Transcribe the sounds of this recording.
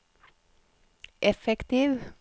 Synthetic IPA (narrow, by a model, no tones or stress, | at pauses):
ʔɛfɛkt̪iːʋ